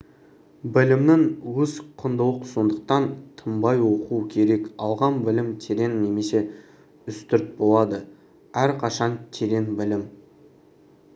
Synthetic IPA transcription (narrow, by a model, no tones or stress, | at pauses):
bɪlɪmnɪŋwɵzqʰənd̪əwˠəqso̞nd̪əq̚t̪ɑnt̪ʰəmbɑjwo̞quəkʲʰe̞ɾe̞kɑlˠʁɑnbɪlɪmt̪ʰeɾe̞nːe̞me̞se̞ | ʏst̪ʏɾt̪̚bo̞lˠɑd̪ə | æɾqʰɑʃɑnt̪ʲʰe̞ɾe̞nbɪlɪm